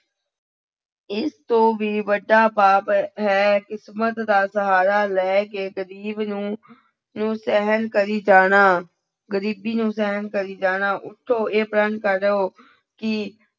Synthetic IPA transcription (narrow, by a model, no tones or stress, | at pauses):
ɪst̪õːʋiːʋəɖːaːpaːpɦɛːkɪsmət̪d̪aːsəɦaːɾaːlɛːkeːɡəɾiːbnũː | nũːsɛɦənkəɾiːd͡ʒaːnaː | ɡəɾiːbiːnũːsɛɦənkəɾiːd͡ʒaːnaːʔʊʈʰːoːeːpɾənkəɾoː | ki